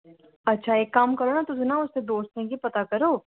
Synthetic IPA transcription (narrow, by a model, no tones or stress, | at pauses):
ɐtːʃʰaeːkːaːmkɐɾonat̪ʊzenaʊsːed̪oːst̪ẽkipɐt̪akɐɾoː